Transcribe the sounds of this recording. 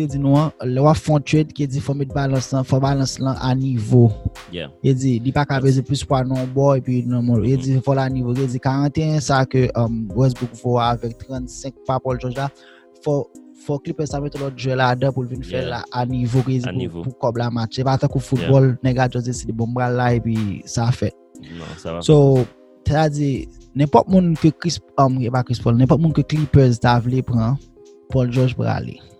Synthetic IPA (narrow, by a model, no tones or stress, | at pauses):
ted͡zinũãlɛwapfɔ̃tedkied͡zifɔmɛt̪̚balɐ̃slɐ̃fɔbalɐ̃slɐ̃ʔanivo | jed͡zilipakabezɛ̃plyspwanɔ̃bɔepɥinɔ̃mɔ̃ed͡zifɔlanivokied͡zikaʁɐ̃t̪eɛ̃sakøʔɔmwɛs̬bukvɔaːvɛk̚t̪ʁɐ̃tsɛ̃k̚papɔlʒɔ̃ʒla | fɔ | fɔklipɛsamɛt̪ɔ̃lɔt̪̚ʒɛladɐ̃pulvinfɛla̰ʔanivoked͡zipupukɔblamat͡ʃsepat̪ɐ̃kufut̚bɔlnɛ̃ɡad͡ʒɔzdesidebɔ̃m̩pɣalːaepisafɛt̪̚ | so | tetad͡zinɛ̃pɔt̚mũnkəkispɔmkepakɹispɔlnɛ̃pɔt̚mũnkəklipɛztavlepɣɐ̃ | pɔlʒɔʒpɣa̰lḛ